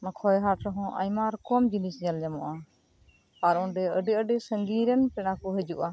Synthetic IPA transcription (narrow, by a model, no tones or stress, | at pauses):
nakʰɔjɦaʈɾɔɦɔ̃ʔa̰jmaɾkɔmd͡ʒinisɲald͡ʒamɔʔa | paɾɔ̃ɖɛəɖiəɖisəŋɡiɾɛnpɛnakuɦəd͡ʒṵʔa